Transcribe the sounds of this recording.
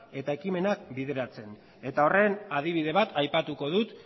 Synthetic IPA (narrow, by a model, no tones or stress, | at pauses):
e̞t̪aekime̞nak̚biðe̞ɾat͡se̞n | e̞t̪ao̞re̞naðiβiðe̞βat̪ajpat̪uko̞ðut̪